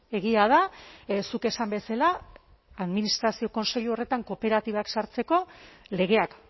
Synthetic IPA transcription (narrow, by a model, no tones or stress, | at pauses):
e̞ɣiaðasuke̞sambe̞sala | aðminist̪ɾasio̞ko̞nse̞ʎuo̞re̞t̪aŋko̞pe̞ɾat̪iβaksaɾt͡se̞ko̞le̞ɣe̞ak